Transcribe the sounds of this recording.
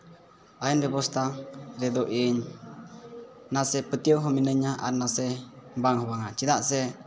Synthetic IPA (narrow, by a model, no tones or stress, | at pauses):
ainbɛbɔst̪aɾɛd̪ɔʔiɲ | nasɛpət̪iəwɦɔminəɲaʔa̰nːasɛbaŋɦɔbaŋat͡ʃid̪aʔsɛ